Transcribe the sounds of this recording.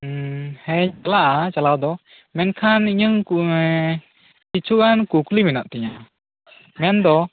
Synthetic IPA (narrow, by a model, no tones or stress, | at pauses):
hɛɲalaʔat͡ʃalawd̪ɔ | mɛnkʰaniɲɯŋ | kit͡ʃʰukankuklimɛnaʔt̪ɛɲa | mɛnd̪ɔ